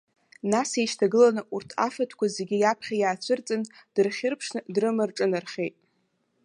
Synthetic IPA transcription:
nasejʃtʰaɡɨlanɨʔurtʰa̰fatʰkʷʰazeɡʲijapʰχʲajaːt͡ɕʷʰɨrt͡sʼɨnd̥ɨrχʲɪrpʰʂnɨdrɨmɨrʈ͡ʂʼɨnarχʲejtʼ

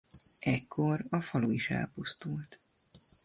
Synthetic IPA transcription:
ʔɛkːorɒfɒloiʃɛ̰lpust̪ult̪

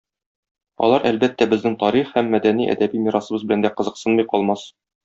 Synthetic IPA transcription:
ɒ̰lˠɑɾʔælbæt̪ːæbɘ̆znɘŋt̪ɒɾiχhæmːæd̪æniʔæ̰d̪æbimiɾɑsɤ̆bɤzbɘ̆lænd̪æqɤ̆zɤ̆qsɤnmɤjqɒlˠmɑs

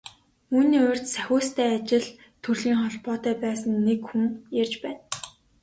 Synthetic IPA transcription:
uːniːʊr̥ʲt̪sæxʲʊːst̪ʰæːat͡ɕɪ̆ɮ | t̪ʰuɮiːŋχɔɮpɔːt̪æːpæːsə̆nːekxuŋjarʲt͡ɕpæːn

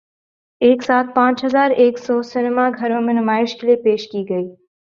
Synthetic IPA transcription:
eːksaːt̪̚ʰpãːt͡ʃɦɐzaːɾeːksɔːsɪnmaːɡʱɐɾõːmẽnʊmaːɪʃkɪleːpeːʃkiːɡɐiː

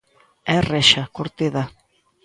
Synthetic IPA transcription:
ɛrɛʃakoɾt̪eða

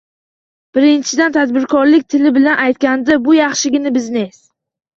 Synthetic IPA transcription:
b̥ɪɾɪnt͡ʃʰɪd̪ant̪ʰad̪bɪɾkʰɒɾlɪkʲt̪ʰɪlɪbɪlanʔajt̪̚kʲand̪abʊjɑχʃɪɡʲɪnɪbɪzne̞s

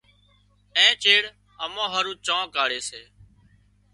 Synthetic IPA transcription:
ẽːt͡ʃeːɽ | əmãːɦəɾũːt͡ʃãːkaːɽeːseː

